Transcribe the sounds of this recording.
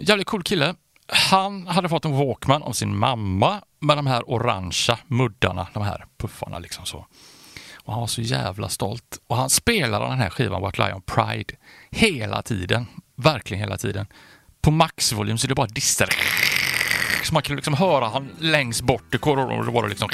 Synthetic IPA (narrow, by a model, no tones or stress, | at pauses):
jæːvlɪt̪̚kʰuːlkʰɪlːə | hanhad̪ːəfɔt̪ːɔmvokmanɔ̰vsɪnmamːamɛd̪ɔmɦæːɾʔʊɾa̰nʃamɵd̪ːa̰ɳa̰d̪ɔmɦæ̰ːɾpʰɵfːa̰ɳa̰lɪksɔmso̰ː | ɔhanvaʂɔjæ̰ːvla̰st̪ɔ̰lt̪ɔɦanspeːlad̪d̪̰d̪ɛnɦæ̰ɾɧiːvanwat̪la̰jɔ̰npʰɾa̰ɪd̪̥heːlʔa̰t̪ʰiːd̪ənvæɾklɪɡənheːla̰t̪ʰḭːd̪ən | pʰɔmaksvʊlyːmsɔɛdɖɛbɑːɾad̪ɪst̪əɾ | sɔmanŋkʰnd̪lɪksɔmɦœːɾahanlɛŋst̪bɔʈːɪkʰoːɾɔ̰d̪ɛvaɾɖɛ̰lɪksɔm